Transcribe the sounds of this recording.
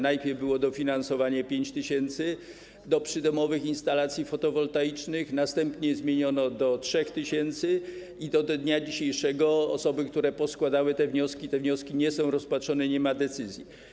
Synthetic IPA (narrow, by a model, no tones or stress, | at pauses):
najpʲjɛɾvbɘwɔd̪ɔfʲinansɔvaɲapʲjeɲt͡ɕt̪ɘɕɛnt̪sɘ | d̪ɔpʂɘd̪ɔmɔvɘxinst̪alat̪sʲjifɔt̪ɔvɔlt̪ait͡ʂnɘxnast̪ɛmpɲɛzmʲjeɲɔnɔd̪ɔtʂɛxt̪ɘɕɛnt̪sɘ | id̪ɔd̪d̪ɲad͡ʑiɕejʂɛɡɔɔ̰sɔbɘkt̪uɾɛpɔskwad̪awɘt̪ɛvɲɔskʲit̪ɛvɲɔskʲiɲɛsɔ̃w̃ɾɔspatʂɔnɛɲɛmad̪ɛt̪sɘzʲji